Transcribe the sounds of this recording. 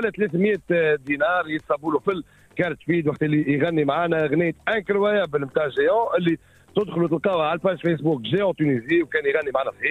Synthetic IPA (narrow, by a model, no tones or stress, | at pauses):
læt̪lɛθmjɛːt̪d̪inɑːɾˤjit̪sˤɑbuːlufəlː | kæːnət̪ːfiːd̪waqt̪ʔəlːiɣænːimʕaːnæɣnɪjːət̪ʔæ̃kəɾwæjæbəlmt̪aʕʒeɑ̃ʔɪlːi | t̪ʊd̪xlut̪̬əlqɑːwʕalpæːʒfæs̬buːkʒejɑ̃t̪yniziwkɛːnjɣænːimʕaːnæsˤiː